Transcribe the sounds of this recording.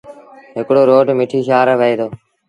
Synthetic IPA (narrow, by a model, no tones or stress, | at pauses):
ɦɪkɽoːɾoːɖmɪʈʰiːʃaːɾʋəeːd̪oː